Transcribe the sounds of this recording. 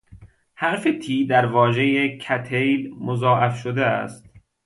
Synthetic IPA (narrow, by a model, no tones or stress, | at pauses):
hæɾfet̪ʰiːd̪æɾvɒːʒejekʰæt̪ʰejlmozɒːʔæfʃod̪eæ̰st̪